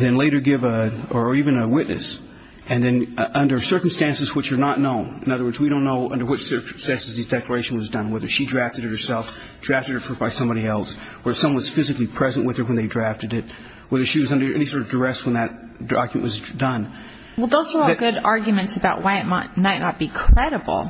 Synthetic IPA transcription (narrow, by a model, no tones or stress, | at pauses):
ðɨ̃nleɪɾə˞ɡɪvə˞ivɨ̃nɨwɪtⁿnɨ̰s | ɨ̃nðɨ̃nʔʌ̃ndə˞sɜ˞km̩stæ̃nsɨzwɨt͡ʃə˞nətⁿnõʊ̃nɨ̃nʌðə˞wɜ˞dzwiɾõʊ̃nːoʊʔʌ̃ndə˞wɨt͡ʃsɜ˞km̩stæ̃nsɨzðizdɛklə˞eɪʃn̩wʌzdʌ̃nwɛðə˞ʃidɹæftɨɾɨt̚hə˞sɛlˠf | dɹæftɨɾ̚ə˞fə˞b̥aɪsʌ̃mbɑɾiɛlˠs | wə˞ə˞sʌ̃mwʌ̃nwʌz̥fɪzɨklipʰɹ̥ɛzɨ̃nʔwɨð̥ə˞wə̃nðeɪdɹæftɨɾɪt̚ | wɛðə˞ʃiwʌzʌ̃ndə˞ʔɛñisɔɹɾʌvdə˞ɛs̚wə̃nðɨt̚ | ɑ̰ɡjmɨ̰̃nʔwʌzdʌ̃n | wɛlˠðoʊzə˞ɔɡʊɾɑɹɡjmɨ̃ntsɨbaʊʔ̚waɪɨt̚maɪtmaɪʔⁿnɑt̚b̥ikʰɹ̥ɛɾɨbl̩ˠ